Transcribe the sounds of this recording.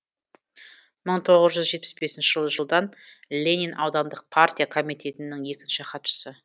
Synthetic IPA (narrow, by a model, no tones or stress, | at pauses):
məɴt̪ʰo̞ʁəzʒʏzʒe̞t̪̚pɪsbe̞sɪnʃɪʒəlˠəʒəlˠd̪ɑnlʲe̞nʲinʔɑwd̪ɑnd̪əq̚pʰart̪ʲijakʰo̞mijt̪ʲe̞t̪ɪnɪŋje̞kʲɪnʃɪqʰɑt̪ʃə̥sə